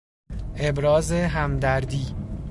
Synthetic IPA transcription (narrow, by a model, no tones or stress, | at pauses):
ʔe̞bɾɒːzeɦæmd̪æɾd̪iː